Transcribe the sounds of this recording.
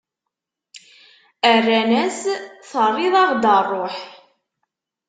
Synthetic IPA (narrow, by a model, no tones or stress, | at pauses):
ærːænæsθərˤːɪðˤɑʁd̪ərˤːoħ